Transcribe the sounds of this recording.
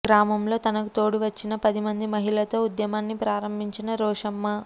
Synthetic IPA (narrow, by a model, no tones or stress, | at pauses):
ɡɾaːmɐmlo̞ːt̪ɐnɐkut̪o̞ːɽuʋɐt͡ʃːinɐpɐd̪imɐnd̪imɐɦiɭɐt̪o̞ːud̪jɐmaːnːipɾaːɾɐmbʱiɲt͡ʃinɐɾɔːʂɐmːɐ